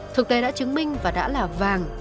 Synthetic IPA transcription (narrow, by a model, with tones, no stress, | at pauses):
t̪ʰɨ˨˩k̚t̪e˨˦ɗa̰ː˧˥t͡ɕɨ˨˦ŋmï˧ŋ̟vaː˨˩ɗa̰ː˧˥laː˨˩vaː˨˩ŋ